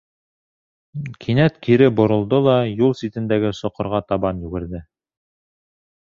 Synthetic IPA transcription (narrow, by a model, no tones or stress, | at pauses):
kʰinæt̪kʰiɾɘbŏɾŏlˠd̪olˠɑjulˠsit̪ɘ̆nd̪æɡɘsŏqŏɾʁɑt̪ɑβɑnjʉɡɘ̆ɾðɘ